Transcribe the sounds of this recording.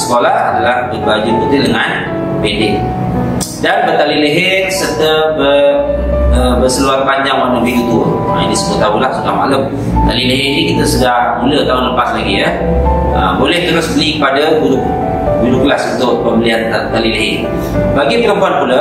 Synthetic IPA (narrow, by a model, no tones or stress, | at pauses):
sə̥kolahadalahdibad͡ʒurkut̪idəŋan | pendɪʔ | danbət̪alileɦɪtsərt̪əbə | əbəsəluat̪̚paɲd͡ʒaŋwanəbihit̪u | ainisəkət̪aɦulahsudahma̰lʊm | t̪aliləɦɪrnikit̪əsudahmulət̪aʊnləpaslaɡijə | əbolɛht̪əɾʊsbəlikəpadabudʊk | budʊklasunt̪ʊʔpəmbəlianat̪aliləɦɪ | baɡipəɾəmpuanpulə